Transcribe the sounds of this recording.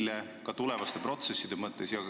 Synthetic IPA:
lekɑt̪ule̞vɑst̪e̞pro̞t̪se̞sːid̪e̞mɤt̪ːˑe̞sjɑ

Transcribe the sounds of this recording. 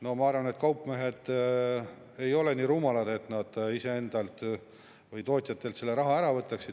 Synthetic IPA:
no̞mɑɑrvɑne̞t̪ːˑkɑwpːˑme̞ɦe̞d̪̥ | e̞jo̞le̞niːɾuːmɑlɑd̪̥e̞t̪nɑd̪̥ise̞e̞nd̪̥ɑlt̪ | vɯjt̪o̞ːt̪ʲjɑt̪ːˑe̞lt̪se̞lːe̞ɾɑɦɑæɾɑvɤt̪ːˑɑksid̪

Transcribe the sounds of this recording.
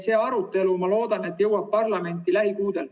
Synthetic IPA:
se̞ːɑɾut̪ːˑe̞lumɑlo̞ːd̪ɑne̞t̪ːjɤwɑb̚pɑrlɑme̞nʲt̪ˑːilæɦikuːd̪e̞l

